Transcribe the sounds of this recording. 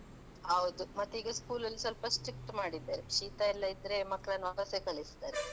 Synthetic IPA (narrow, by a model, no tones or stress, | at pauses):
hɐʋd̪umɐt̪ːuiːɡɐskuːlɐlːisɐlpɐsʈɾik̚ʈmaːɽid̪ːeːɾeʃiːt̪ailːɐid̪ɾe̞mɐkːɭɐnːʋakɐsekɐɭist̪aːɾe